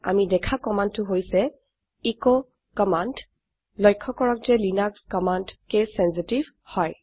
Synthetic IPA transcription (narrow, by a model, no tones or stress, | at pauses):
a̰midɛkʰakɔmantːʊɦojsɛ | ikɔ | kɔmand | lɔjkʰːɔkɔɹɔk̚zɛlinakskɔmandkesɛnsitiv̥ | hɔj